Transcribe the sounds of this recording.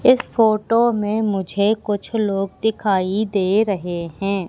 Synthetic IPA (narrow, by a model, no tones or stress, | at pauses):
ɪsfoːʈomẽmʊd͡ʒʱekʊt͡ʃʰloːɡd̪ɪkʰaːid̪eːɾɐɦeɦɛ̃ː